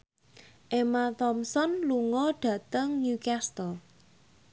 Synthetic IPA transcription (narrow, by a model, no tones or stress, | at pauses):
ʔemat̪ɔmsɔnluŋɔɖ̥ä̤t̪əŋnjukast̪əl